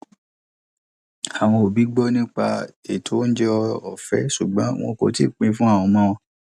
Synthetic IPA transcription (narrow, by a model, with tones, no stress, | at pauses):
a˨w̃ɔ̃˧o˨bi˨˦ɡ͡bɔ˦nĩ˦k͡pa˧e˨tʰo˨˦n̩˦d͡ʒɛ˦ɔ˧ɔ˨fɛ˦ʃu˨ɡ͡bɔ̃˨˦w̃ɔ̰̃˧ko̰˨tḭ˦˨k͡pĩ˧fũ˦a˦˨w̃ɔ̃˧mã˦wɔ̃˧